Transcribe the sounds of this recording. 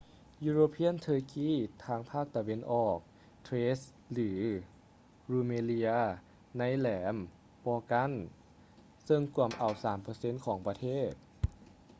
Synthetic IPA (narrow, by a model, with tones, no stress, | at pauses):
juː˧ɾoː˧pʰi˧˥ə˨nt̪ʰɤː˧kiː˧˥˩t̪ʰaː˧˥ŋpʰaː˥˩k̚t̪a˧we˧nʔɔː˨˩k̚ | t̪ʰweː˦˥s | lɯː˩˦ | ɾuː˧meː˧li˧a˧ | na˧˥˨jlɛː˩˨˦m | pɔː˧ka˧˥˨n | sɤ˧ŋku˧˩əmʔa˨˩wsaː˩˦mpɤː˧se˧˥˨nkʰɔː˩˦ŋpɾa˧t̪ʰeː˥˩t̪̚